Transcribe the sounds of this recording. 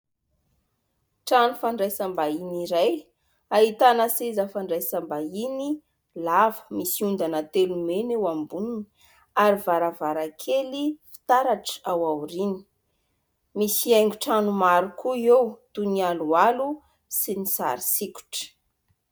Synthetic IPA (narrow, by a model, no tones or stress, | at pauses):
ʈ͡ʂanufaɳɖ͡ʐajsambainiɾaj | aɦit̪anəsizafaɳɖ͡ʐajsambaini | lavə̥misiund̪anət̪elumenewambunini̥ | aɾivaɾavaɾakʰelifi̥t̪aɾaʈ͡ʂawawɾini̥ | misiajŋɡuʈ͡ʂanumaɾukʰuewt̪unialualu | sinisa̰ɾisiku̥ʈ͡ʂə̥